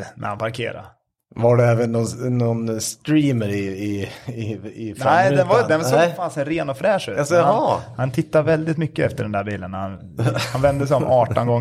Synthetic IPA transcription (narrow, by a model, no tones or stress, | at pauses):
nʔɛ̰hanpʰaɾkʰḛːɾa̰ɾ | vaɖɛɛːvənːɔnnɔnst̪ɾiːməɾɪɪɪɪfnɛɪd̪ɛnvad̪ɛnvasfaːnsɛɾeːnɔfɾɛːʂʉːsahant̪ʰɪt̪ːavɛld̪ɪt̪mʏkːəɛft̪əɖɛnd̪æːɾbiːlənhan | hanvɛnd̪əsɛjɔmɑːʈɔnɡɔŋ